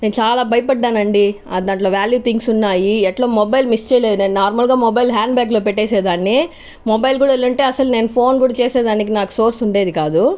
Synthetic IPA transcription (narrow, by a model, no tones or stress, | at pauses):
nent͡ʃaːlaːbʱɐjpɐɖːaːnɐɳɖi | ɐd̪aːɳʈloːʋjaːljuːt̪ʰiŋɡsunːaːjiɛʈloːmɔbɐjlmist͡ʃeːleːd̪uneːnnaːɾmɐlɡaːmɔbɐjlɦjaːɳɖbjaːk̬lo̞ːpɛʈːeːseːd̪aːnːi | mɔbɐjlkuːɽaelːɐɳʈe̞ːɐsɐlneːnupʰo̞ːnkuːɽat͡ʃeːseːd̪aːnik̬inaːku̥so̞ːɾsuɳɖeːd̪ikaːd̪u